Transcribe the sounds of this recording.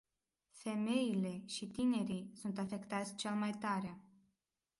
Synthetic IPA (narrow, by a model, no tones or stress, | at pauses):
fe̞me̞jile̞ʃit̪ine̞ɾijsunt̪afe̞kt̪at̪sʲt͡ʃe̞lmajt̪aɾea